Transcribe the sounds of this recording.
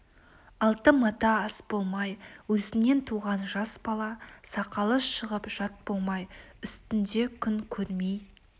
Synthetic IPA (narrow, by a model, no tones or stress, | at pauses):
ɑlˠt̪əmɑt̪ɑɑsb̥o̞lˠmɑjwɵzɪne̞nt̪ʰuʁɑnʒɑsbɑlˠɑsɑqɑlˠəsʃəʁəpʒ̥ɑt̪̚bolˠmɑjʏst̪ɪnd̪e̞kʲʰʏŋkʲʰɵɾmej